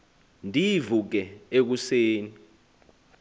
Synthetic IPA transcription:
ndʱivuk̬ɛek̬useːni

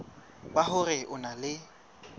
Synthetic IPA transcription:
baɦʊrɪʔʊnalɪ

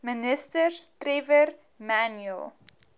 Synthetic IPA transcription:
mənəstərtrevər | mænəlˠ

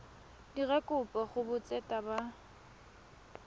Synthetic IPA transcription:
diɣɛkʼʊpʼaχʊbʊt͡sʼɛtʼaba

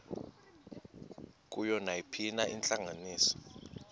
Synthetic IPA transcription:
k̬ʼujɔnajipʰinaʔint͡ɬʼaŋaniːsɔ̥

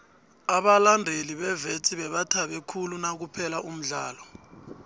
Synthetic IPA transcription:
aɓalandʱeliɓɛvet͡sʼiɓɛɓatʰaɓɛkʰulunak̬upʰɛlaʔum̩ɮaːlɔ

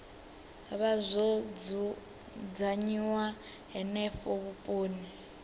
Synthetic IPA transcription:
aβazʷɔd͡z | d͡zaɲiwa | ɦɛnɛfɔβupʼoːni

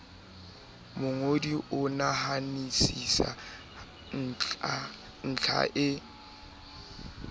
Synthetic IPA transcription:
mʊŋodiʔʊnahanisisa̰ | n̩t͡ɬʰa̰ʔɪ

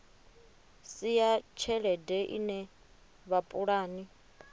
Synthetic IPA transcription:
sijat͡ʃʰɛɺɛdɛʔḭnɛ | βapʼuɺaːni

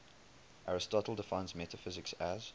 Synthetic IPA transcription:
ʔaɹɪstɔtˡl̩ˠdəfãɪ̃nzmɛtəfɪzɪksæz̥

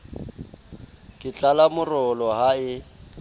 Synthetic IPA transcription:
kʼɪt͡ɬʼalamʊrɔlɔɦaɪ

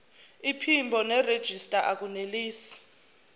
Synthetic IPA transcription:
ipʰimbʱɔnɛred̥ʒ̥ʱistʼaʔak̬ʼuneliːsi̥

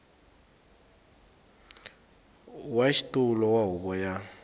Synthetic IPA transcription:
waʃitʼulɔwaɦuβɔja

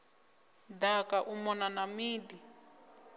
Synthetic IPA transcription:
dakaʔumɔnanamiːdi

